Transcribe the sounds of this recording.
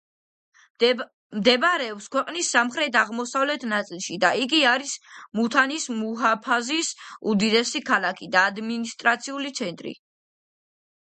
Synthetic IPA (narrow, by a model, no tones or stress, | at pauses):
md̪ɛbɾɛɔpskʰwɛqʼnisːamχɾɛt̪ʰaʁmɔsavlɛt̪ʰnat̪sʼilˠʃid̪aiɡiaɾismut̪ʰanismuɦapʰazisud̪id̪ɛsikʰalˠakʰid̪aːd̪minist̪ʼɾat̪sʰiulit̪sʰɛnt̪ʼɾḭ